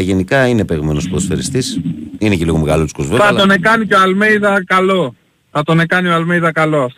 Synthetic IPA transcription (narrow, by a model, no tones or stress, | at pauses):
ʝenikɐine̞peɣmenospðosfeɾist̪isineceliɣomeɣɐlot̪skozveɐone̞kɐnicoalmejðɐkɐlo̞ | θɐt̪o̞ne̞kɐnioalmejðɐkɐlo̞ɐft̪